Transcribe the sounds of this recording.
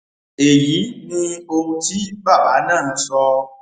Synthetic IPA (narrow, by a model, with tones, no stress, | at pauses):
e˨ji˨˦nĩ˧o˧ŋu˦ti˦ba˦˨ba˨˦nã˦˨ñ̩˦sɔ˧